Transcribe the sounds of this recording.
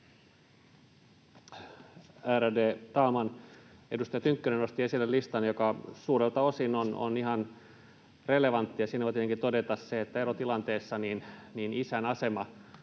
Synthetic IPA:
æɾædeːt̪ɑlmɑnedust̪ɑjɑt̪yŋkːyneno̞st̪ie̞silːellist̪ɑnjokɑsuːɾelt̪ɑo̞sinono̰niɦɑn | re̞leʋɑnt̪ːijɑsiːnæʋot̪iet̪eŋkit̪odet̪ɑsseet̪ːæeɾot̪ilɑnt̪eːsːɑniːnniːnisænɑse̞mɑ

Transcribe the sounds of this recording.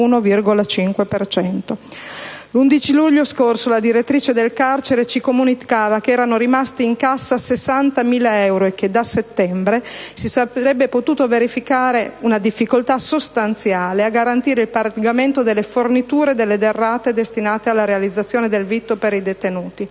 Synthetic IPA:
unovirɡolat͡ʃiŋkwepert͡ʃɛnt̪o | lund̪it͡ʃiluʎːoskorsolad̪iɾet̪ːɾiːt͡ʃed̪elkart͡ʃeɾet͡ʃikomunikaːvakeɛːɾanoɾimast̪iːŋkasːasesːant̪amiːlaɛwɾoek̟ːed̪aset̪ːɛmbɾesisaɾɛbːepot̪uːt̪oveɾifikaːɾeunad̪ifːikolt̪asost̪ant̪sjaːleaɡaɾant̪iːɾeilparɡament̪od̪elːefornit̪uːɾed̪elːed̪erːaːt̪ed̪est̪inaːt̪ealːaɾealid̪zat̪sːjoːned̪elvit̪ːopeɾid̪et̪enuːt̪i

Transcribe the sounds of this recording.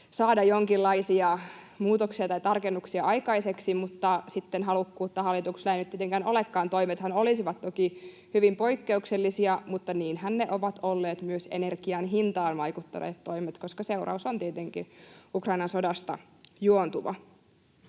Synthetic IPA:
sɑːdɑjoŋkilːɑisiɑ | muːt̪oksiɑt̪ɑjt̪ɑrkenːuksiɑʔɑjkɑiseksimut̪ːɑsit̪ːenɦɑlukːuːt̪ːɑhɑlːˑit̪ukslæinyt̪ːiet̪eŋkænolekːɑːnt̪o̞imet̪hɑnolisiʋɑt̪t̪oki | hyʋimpo̞ikːe̞ukselːisiɑmut̪ːɑniːnhænːeʔoʋɑt̪olːeːt̪myøsenerkiɑnɦint̪ɑːnʋɑjkut̪ːɑ̰nḛːt̪to̞imet̪koskɑseurɑ̰usont̪iet̪eŋkḭukrɑinɑnsodɑst̪ɑ̰ | juont̪uʋɑ̰

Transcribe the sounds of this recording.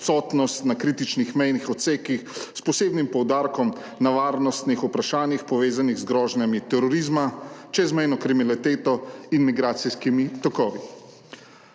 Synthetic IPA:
t̪sɔt̪nɔst̪nakɾiːt̪it͡ʃnixmɛjnixɔt̪seːkixspɔseːbnimpɔwd̪aːɾkɔm | naʋaːɾnɔst̪nixupɾaʃaːnjixpɔʋeːzaniɣzɡɾɔːʒnjamit̪ɛɾɔɾizmat͡ʃɛzmɛjnɔkɾiminlɛt̪eːt̪ɔinmiɡɾaːt̪siskimit̪ɔkɔːʋi

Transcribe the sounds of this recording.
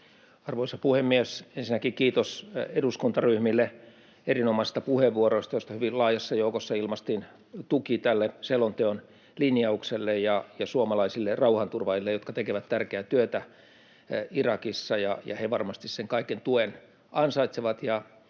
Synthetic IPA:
ɑrʋoisɑpuhemːiesensinːækikiːt̪oseduskunt̪ɑryhmilːe | erinomɑse̥st̪ɑpuheʋʋuoroist̪ɑjost̪ɑhyʋilɑːjɑsːɑjoukosːɑilmɑst̪in | t̪ukit̪ælːeselont̪eon | linjɑukselːejjɑjɑsuomɑlɑisilːerɑuhɑnt̪urʋɑilːejot̪̚kɑt̪ekeʋæt̪t̪ærkeæt̪yøt̪æ | irɑkisːɑjɑjɑ̰heʋɑrmɑst̪isseŋkɑikent̪uen | ɑnsɑit̪seʋɑt̪jɑ

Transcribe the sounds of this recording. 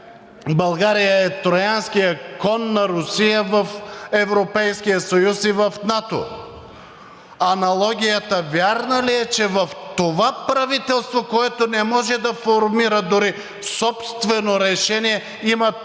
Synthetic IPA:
bɐlˠɡaɾijəɛt̪ɾojansk̟ijəkɔnːɐɾʊsijəvəfɛvɾopɛjskijəsojusivɐfnat̪o̰ | ɐnɐlˠɔɡ̟ʲijət̪əvʲjaɾnəliɛt͡ʃɛvɐft̪ovapɾɐvit̪ɛlˠst̪vokoɛt̪onɛmɔʒɛd̪ɐfoɾmiɾəd̪ʊɾi | sɔpst̪vɛnoɾɛʃɛniɛ | imɐ

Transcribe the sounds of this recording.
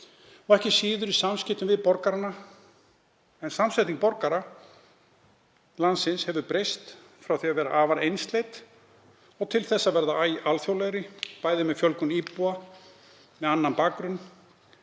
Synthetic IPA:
ɔɛhcɪsiːðʏɾisamscɪht̪ʏmvɪðpɔɾkaɾanːa | ɛnsamslajt̪iŋk̚pɔɾkaɾa | lansɪnshɛvʏpɾejst̪ | fɾawθiavɛːɾa̰ʔaːvaɾejnst̪lejt̪ | ɔɣt̪ʰɪlθɛsːavɛɾðaajalθjowlɛjɾɪpaːjðɪmɛðfjœlkʏnipua | mɛðanːanpaːkɾʏnː

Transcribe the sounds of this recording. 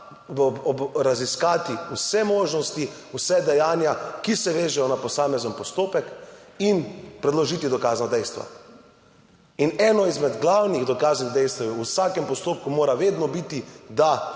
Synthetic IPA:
ɾaziskaːt̪iusɛmoːʒnɔst̪i | usɛd̪ɛjaːnjakisɛʋeːʒɛjɔnapɔsaːmɛznəmpɔst̪oːpɛkinpɾɛd̪lɔʒiːt̪id̪ɔkaːznad̪ɛjst̪ʋa̰ | inɛːnɔizmɛd̪ɡlawniɣd̪ɔkaːzniɣd̪ɛjst̪awjɛusaːkɛmpɔst̪oːpkumoːɾaʋeːd̪nɔbit̪id̪a

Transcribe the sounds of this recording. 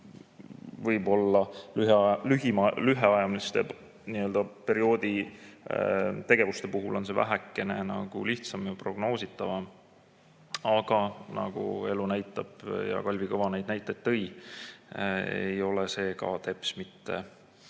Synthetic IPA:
vɤjbo̞lːɑlyɦelyɦimɑlyɦeɑjɑmist̪e̞ | niøld̪ɑpe̞ɾio̞ːd̪̥i | t̪e̞ɡ̥evust̪e̞puɦulʔo̞ns̬e̞væ̰ɦækːˑe̞nenɑɡ̥ṵliht̪sɑmjɑpro̞ɡ̥no̞ːsit̪ːˑɑvɑ | ɑɡ̥ɑnɑ̰ɡ̥ṵe̞lunæjt̪ːˑɑb̥jɑ̰kɑlʲvikɤvɑnejd̪næjt̪ˑːɑet̪ːɤ̞j | ḛjo̞lese̞ːkɑ̰t̪e̞pˑsmit̪ːe̞̰

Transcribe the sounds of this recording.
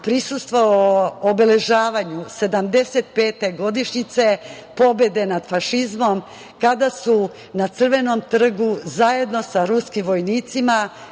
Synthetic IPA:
pɾisust̪ʋooobele̞ʒaːʋaɲuse̞d̪amd̪e̞se̞t̪pe̞ːt̪e̞ɡo̞d̪iʃɲit̪se̞ | po̞be̞d̪e̞nad̪faʃizmo̞m | kad̪asu | nat̪sr̩ʋe̞no̞mt̪r̩ɡuzaje̞d̪no̞saɾuskimʋo̞jniːt̪sima

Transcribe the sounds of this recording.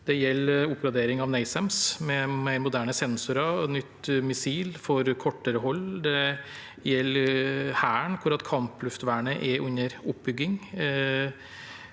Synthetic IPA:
d̪̥ɛjɛlːʊpːɡɾɑd̪eːɾɪŋɑʋnæɪsɛmsmɛmæɪɾmʊd̪æːɳəsɛnsʊɾɑnʏt̪ːmɪsiːlfɔɾkʰɔʈːəɾəɦɔlːd̪ɛ | jɛlːhæːəɳkʰʊɾɑt̪kʰɑmplʉft̪ʋæːɳəʔɛʔʉnəɾʊp̚bʏɡːɪŋ

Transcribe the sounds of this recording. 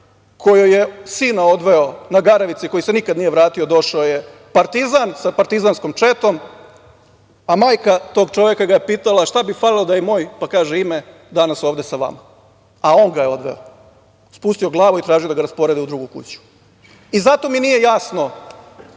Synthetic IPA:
kʰo̞jojesiːnao̞d̪ʋe̞onaɡaɾaʋit̪siko̞jise̞nikad̪nijeʋɾaːt̪io̞d̪o̞ʃaoje̞ | paɾt̪izansapaɾt̪izansko̞mt͡ʃet̪o̞m | amaːjkat̪o̞ɡt͡ʃo̞ʋekaɡajepiːt̪alaʃt̪abifalilod̪ajemo̞ːjpakaːʒeime | d̪anaso̞ːʋd̪e̞saʋa̰ma | ao̞ŋɡajeo̞d̪ʋḛo | spuːst̪io̞ɡlˠaːʋoit̪ɾaːʒijod̪aɡaɾaspo̞ɾe̞d̪iud̪ɾuɡukṵt͡ɕu̥ | izat̪o̞minije̞jasno̞

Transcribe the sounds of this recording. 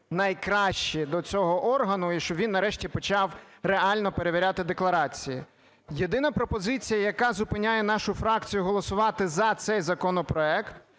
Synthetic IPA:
nɐjkɾɑʃt͡ʃid̪ɔt͡sʲɔɦɔʔɔrɦɐnʊiʃt͡ʃɔʋʲinːɐɾɛʃtʲipɔt͡ʃɑwreɑlʲnɔpe̞ɾeʋʲiɾʲat̪ɪd̪eklˠɐɾɑt͡sʲijḭ | jed̪ɪnɐpɾɔpɔzɪt͡sʲijɐjɐkɑzʊpɪnʲajɛn̪ɑʃʊfɾɑkt͡sʲijʊɦɔlˠɔsʊʋɑt̪ɪzɐt̪sɛjzɐkɔnɔpɾɔɛkt̪

